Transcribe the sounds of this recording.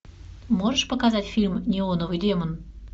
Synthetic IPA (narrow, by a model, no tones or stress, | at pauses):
moʒəʃpəkɑzɑtʲfʲilʲmnʲeonovyd̪ʲemən